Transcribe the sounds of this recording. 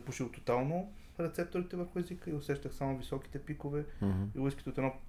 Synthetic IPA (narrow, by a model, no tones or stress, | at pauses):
puʃilˠt̪ot̪alˠno | ɾɛt̪sɛp̚t̪oɾit̪ɛvəɾxʊɛzikəiʊsɛʃt̪əxsamovisɔki̥t̪ɛpikovɛilˠiskʲit̪ot̪ɛnɔ